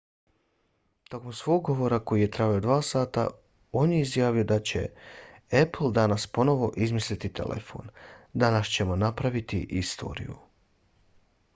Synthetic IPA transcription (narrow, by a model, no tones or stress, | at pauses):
t̪o̞komsʋo̞ːɡːo̞ʋo̞ɾako̞jije̞t̪ɾabaod̪ʋaːsaːt̪a̰ | o̞ːnjeizjaːʋijod̪at͡ɕe̞̰ | epl̩ˠd̪anaspo̞no̞ʋo̞ʔizmislit̪it̪ʰḛlʔḛfo̞̰ːnd̪anast͡ɕe̞mo̞napɾaʋit̪ḭʔist̪ʰo̞̰ɾḭjṵ